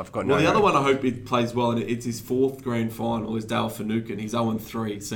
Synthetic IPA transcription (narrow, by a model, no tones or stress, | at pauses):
ɪvɡɔwɛlˠðiʌðəwʌ̃naɪɦəʊpipʰl̥eɪzwɛlˠə̃nɪɾɪtshɨz̥fɔɹθɡ̥ɹæ̃nd̥fãɪ̃nl̩ˠɪzdælˠfənʉˑkɨ̃nizəʊə̃nθɹis